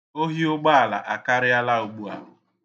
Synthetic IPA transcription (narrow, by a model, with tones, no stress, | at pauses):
o˦ɦi˦ʊ˦ɡ͡ba˦a˨la̰˨ʔa˨ka˦ɾɪ˦ja˦la˦o˨ɡ͡bu˦a̰˨